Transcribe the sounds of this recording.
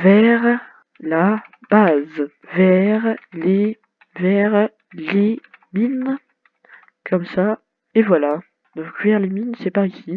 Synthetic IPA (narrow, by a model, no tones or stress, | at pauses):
vɛʁ | la | baz | vɛʁle | vɛʁ | lemin | kʰɔmsa | evwala | d̪ɔ̃kvɛʁleminsɛpaʁisi